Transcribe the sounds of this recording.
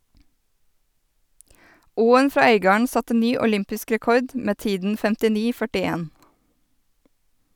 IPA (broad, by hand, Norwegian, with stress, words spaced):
ˈuːən ˈfɾɑː ˈœʏɡɑːəɳ ˈsɑtə ˈnyː ʊˈlʏmpɪsk ɾɛˈkɔɾd ˈmeː ˈtiːdn̩ fɛmtɪˈniː fœʈɪˈeːn